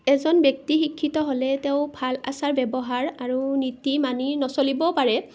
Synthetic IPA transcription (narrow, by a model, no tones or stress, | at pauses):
ɛzɔnbjɔk̚tixikʰːitɔɦolɛteʊ̃bʱala̰saɹbɛbɔɦaɹaɹunitimaninɔsolibɔpaɹɛ